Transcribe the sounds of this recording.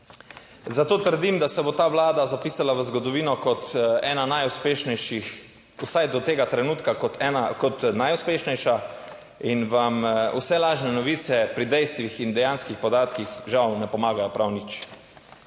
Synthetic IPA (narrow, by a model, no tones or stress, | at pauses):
zat̪oːt̪əɾd̪imd̪asɛbot̪aːʋlaːd̪azapiːsalaʋəzɡɔd̪ɔʋiːnɔkɔt̪ɛ̰ːnanajuspeːʃnɛʃix | usajd̪ɔt̪eːɡat̪ɾɛnuːt̪kakɔakɔt̪najuspeːʃnɛjʃa | inʋamṵsɛlaːʒnɛnɔʋiːt̪sɛpɾid̪ɛjst̪ʋixind̪ɛjanskixpɔd̪aːt̪kixʒawnɛpɔmaːɡajɔpɾawnit͡ʃ